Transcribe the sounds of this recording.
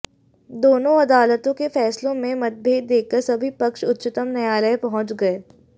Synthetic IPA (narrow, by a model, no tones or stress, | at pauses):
d̪oːnõɐd̪aːlət̪õkefɛːslõmẽmɐt̪̚bʱeːd̪̚ːeːkːəɾsɐbʱipɐkʃʊt̪ːʃɪt̪əmnɐjaːləepɐɦʊ̃t͡ʃɡɐeː